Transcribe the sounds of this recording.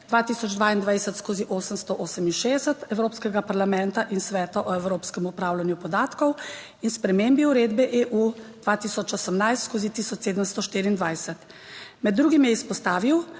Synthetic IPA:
d̪ʋaːt̪iːsɔd͡ʒd̪ʋaːind̪ʋajsɛt̪skoːziʔoːsəmst̪ɔʔoːsəminʃeɛsət̪ɛwɾoːpskɛɡapaɾlamɛ̃nt̪aʔinsʋɛːt̪ɔʔɔɛwɾoːpskɛmupɾaːwlanjupɔd̪aːt̪kɔw | inspɾɛmembiuɾeːd̪bɛʔeʔud̪̥ʋaːt̪iːsɔt͡ʃɔsəmnajst̪skozit̪iːsɔt͡ʃseːd̪əmst̪ɔʃt̪iːɾiːnd̪ʋajsɛt̪ | mɛd̪ːɾuːɡimjɛispɔst̪aːʋiw

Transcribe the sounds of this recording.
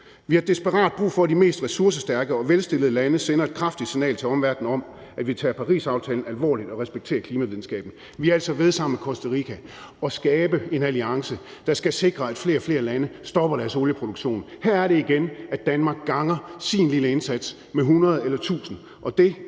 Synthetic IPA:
ʋihɑ̈d̥esb̥əʁɑ̰̈ːd̥̚b̥ʁṵːfɒ̽dime̝̰ːsd̥ʁɛsuɐs̬əsd̥æɐɡ̥əɒ̽ʋelsd̥e̝lð̩ˠlænəsenɐe̝d̥kʰʁɑ̈fd̥id̥sinɛ̰ːlt͡sʰe̝ɒ̽mʋæɐd̥n̩ɒ̽m | æʋit͡sʰɛ̰ːpʰɑ̈ʁḭːsɑ̈ʊt͡sʰɛːln̩ælʋɒ̰ːlid̥ɒ̽ʁɛsb̥eɡ̥̚t͡sʰe̝̰ːɐkʰliːmæʋiðˠn̩sɡ̥ɛ̰ːb̥n̩ | ʋiæl̰sɒ̽ʋe̝ð̞ˠsɑ̈m̰mekʰɒsd̥ɐʁikʰæ | ɒ̽sɡ̥ɛːb̥əe̝næliɑ̈ŋsəd̥ɑ̈sɡ̥æse̝ɡ̥ʁɐæd̥fle̝̰ːɐfle̝ːɐlænəsd̥ɒ̽b̥ɐɾæɐso̝ːljəpʰʁo̝ɾ̥uɡ̥ɕo̝̰ːnhæɐ̰æɐɾe̝iɡ̥enæd̥ːænmɑ̈ːɡ̥̚ːɑ̈ŋɐsinliləe̝nsæd̥s | meɦunʁɐð̞ˠelɐt͡sʰṵːsn̩ | ʔɒ̽d̥e̝

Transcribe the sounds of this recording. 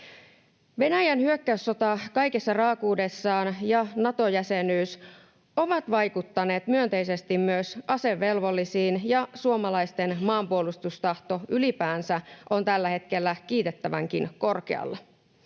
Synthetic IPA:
ʋe̞næjænhyøkːæysːo̞t̪ɑkɑjkesːɑrɑːkuːde̞sːɑːnjɑnɑt̪o̞jæse̞nyːs | o̞ʋɑt̪ʋɑjkut̪ːɑne̞ːt̪myønt̪e̞ise̞st̪immyøsɑse̞ʋːe̞lʋo̞lːisiːnjɑsuomɑlɑist̪e̞nmɑːmpuolust̪ust̪ɑht̪o̞ʔylipæːnsæʔo̞nt̪ælːæhe̞t̪ke̞lːæk̟iːt̪e̞t̪ːæʋæ̰ŋkinko̞rkḛɑ̰lːɑ

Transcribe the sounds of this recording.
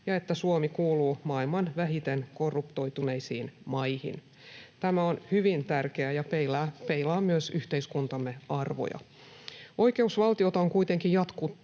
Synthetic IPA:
jɑe̞t̪ːæsuomikuːluːmɑːilmɑnʋæɦit̪enko̞rːupt̪o̞jt̪uneisḭːnmɑjhḭn | t̪æmæo̞nhyʋint̪ærkeæjɑpelæːpeilɑːmyøsyht̪eiskunt̪ɑmːeɑrʋo̞̰jɑ̰ | o̞jke̞usʋɑlˠt̪io̞t̪ɑoŋkuit̪e̞ŋkijɑt̪kut̪ː

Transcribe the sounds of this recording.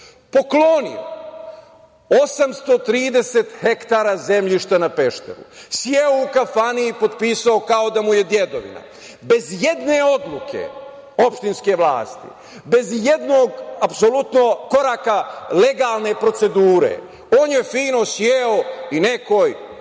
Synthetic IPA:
po̞klonḭo | osamst̪o̞t̪ɾiːd̪e̞se̞t̪he̞kt̪aːɾaze̞mʎiʃt̪anape̞ʃt̪eɾṵsjeoukafaniipo̞d̪piːsao̞kao̞d̪amuje̞d̪jed̪o̞ʋḭna̰ | be̞zje̞d̪ne̞o̞d̪lˠukʰe̞̰ | o̞pʃt̪inske̞ʋlˠa̰ːst̪ḭ | be̞zje̞d̪no̞ːɡapso̞lut̪noko̞ɾaːkale̞ɡaːlˠne̞pɾo̞t̪se̞d̪uːɾḛ | o̞ːnje̞fiːno̞sjeoine̞ko̞j

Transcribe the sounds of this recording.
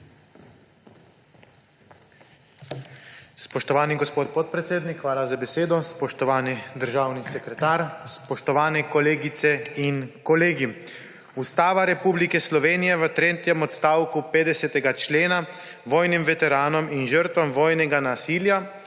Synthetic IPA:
spɔʃt̪ɔʋaːniɡɔspoːt̪̚pɔt̪̚pɾɛt̪seːd̪nikxʋaːlazabɛseːd̪ɔspɔʃt̪ɔʋaːnid̪əɾʒaːwnisɛkɾɛt̪aːɾspɔʃt̪ɔʋaːnɛkɔleːɡit̪sɛinkɔleːɡi | ust̪aːʋaɾɛpublikɛslɔʋeːnijɛʋət̪ɾeːt̪jɛmɔt̪st̪aːwkupeːd̪ɛsɛt̪ɛɡat͡ʃleːna | ʋɔːjnimʋɛt̪ɛɾaːnɔminʒəɾt̪ʋamʋɔːjnɛɡanasiːlja

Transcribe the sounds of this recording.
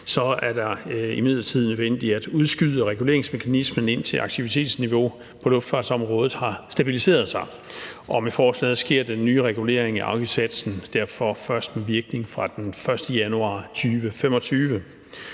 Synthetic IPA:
sɒ̽æɐdɑ̈imið̞̰ˠlɐt͡sʰið̞̰ˠnøðˠʋen̰d̥iæd̥uðˠsɡ̥yðˠəʁɛɡ̥ule̝̰ɐeŋsme̝kʰænisməne̝n̰t͡sʰe̝lʔɑ̈ɡ̥̚t͡sʰiʋit͡sʰe̝̰ːd̥sniʋo̝ | pʰɒ̽lɔ̽fd̥fɑ̰̈ːd̥sɒ̽mʁɔ̽ːð̞̩ˠhɑ̈sd̥æb̥ilise̝̰ːɐð̞ˠsɑ̈ɪ | ʔɒ̽mefɒːslɛ̰ːð̩ˠsɡ̥e̝ɐ̰d̥enːyːʁɛɡ̥ule̝̰ɐ̰eŋæʔɑ̈kʰisʰæd̥sn̩d̥æɐ̰fɒ̽fɶɐsd̥meʋiɐɡ̥ne̝ŋfʁɑ̈d̥enfɶɐsd̥əjænuɑ̰̈ːt͡sʰyːʋəfem̰ɒ̽t͡sʰyːʋə

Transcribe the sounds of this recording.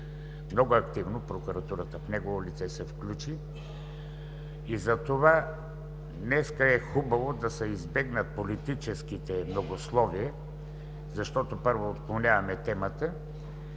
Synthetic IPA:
mnɔɡoɐkt̪ivnopɾokuɾɐt̪uɾət̪əfnɛɡovolit̪sɛsɛfklʲut͡ʃi | izɐt̪ova | nɛskəɛxubɐvod̪ɐsɛizbɛɡnət̪̚polit̪it͡ʃɛsk̟it̪ɛmnoɡoslˠɔviə | zɐʃt̪ɔt̪opɤɾvoːt̪klˠonʲjavɐmɛt̪ɛmət̪ə

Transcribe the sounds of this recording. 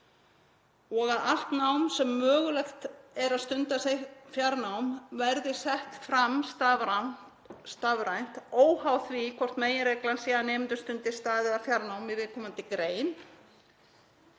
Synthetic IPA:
ɔɣaðal̥t̪nawnsɛmːœːɣʏlɛxt̪ɛɾaðst̪ʏnt̪asefjaɾnawmvɛɾðɪsɛht̪fɾamst̪avɾa | st̪avɾajn̥t̪oːwhawθvikʰɔr̥t̪meːjɪɾeːjklansiːðaneːmɪnt̪ʏ̥st̪ʏnt̪ɪst̪aːðɪðafjaɾnawmivɪðkʰɔːmant̪ɪkɾeːjn

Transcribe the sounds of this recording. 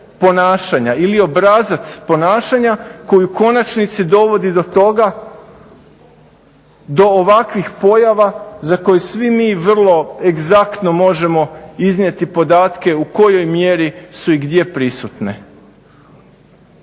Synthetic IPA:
po̞naːʃaɲailio̞bɾazat̪spo̞naːʃaɲako̞juko̞nat͡ʃnit̪sid̪o̞ʋo̞d̪id̪o̞t̪o̞ɡa | d̪o̞oʋakʋixpo̞jaʋazako̞jesʋimiːʋr̩lˠo̞e̞ɡzakt̪no̞mo̞ʒe̞mo̞iznʲje̞t̪ipo̞d̪aːt̪ke̞uko̞jo̞jmje̞ɾisuiɡd̪je̞pɾisut̪ne

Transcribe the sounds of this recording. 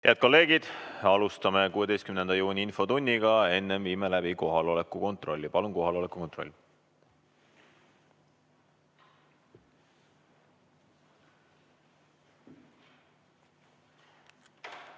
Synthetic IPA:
heɑd̪̚ko̞lːe̞ːɡ̥id̪̥ɑlust̪ɑme̞kuːe̞d̪e̞jst̪kymnend̪ɑjuːnʲiinfo̞t̪unʲːiɡɑe̞nːenviːmelæb̥iko̞ɦɑlo̞lekːˑuko̞nt̪ro̞lʲːipɑlunko̞ɦɑlo̞lekːˑu̥ko̞nt̪ˑro̞̰lʲː

